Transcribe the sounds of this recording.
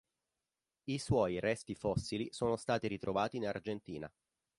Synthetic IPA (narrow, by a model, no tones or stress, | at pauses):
iswɔːjrɛst̪ifɔsːilisoːnost̪aːt̪iɾit̪ɾʔovaːt̪inard͡ʒent̪iːna̰